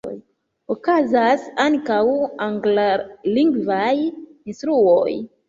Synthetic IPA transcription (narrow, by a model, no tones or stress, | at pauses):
j | okazasankawaŋɡlaliŋɡvajinstɾuo̰j